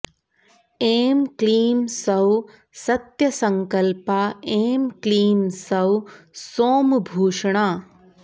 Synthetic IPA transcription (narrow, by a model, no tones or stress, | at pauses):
eːmkliːmsɐw | sɐt̪jɐsɐŋkɐlpaeːmkliːmsɐwsoːmbʱuːʂɳaː